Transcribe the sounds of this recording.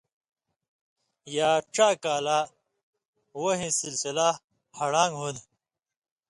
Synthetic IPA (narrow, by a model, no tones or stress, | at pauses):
jaːʈ͡ʂaːkaːla | woɦĩsilsila | hɐɽaːŋɡɦun